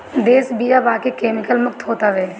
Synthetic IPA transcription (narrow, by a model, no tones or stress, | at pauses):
d̪eːsbijabaːkekeːmɪkəlmʊk̚t̪ʰɦoːt̪aʋɛː